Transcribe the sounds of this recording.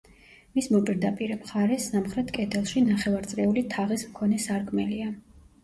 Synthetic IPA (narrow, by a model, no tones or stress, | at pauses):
mismɔpʼiɾd̪apʼiɾɛmχaɾɛsamχɾɛt̪ʰkʼɛt̪ʰɛlˠʃinaχɛvaɾt̪sʼɾɛulit̪ʰaʁismkʰɔnɛsaɾkʰmɛlia